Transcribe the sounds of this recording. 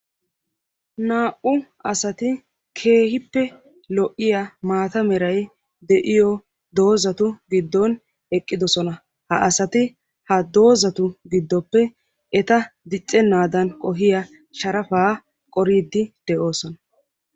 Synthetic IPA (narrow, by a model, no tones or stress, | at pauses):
naːʔʊ | ɐsɐt̪ɪ | kʰe̞ːhɪpːɛ | lɔʔːɪjamaːt̪ɐmɛɾɐj | d̪ɛʔɪjɔ | d̪o̞ːzɐt̪ʊɡɪd̪ːɔn | ɛkʼːɪd̪ɔsɔnɐ | hɐʔɐsɐt̪ɪ | hɐd̪o̞ːzɐt̪ʊɡɪd̪ːɔpːɛ | ɛt̪ɐd̪ɪt͡sʼːɛnːaːd̪ɐnkʼɔɦɪjɐ | ʃɐɾɐfaː | kʼɔɾiːd̪ːɪd̪̥ɛʔo̞ːsɔnɐ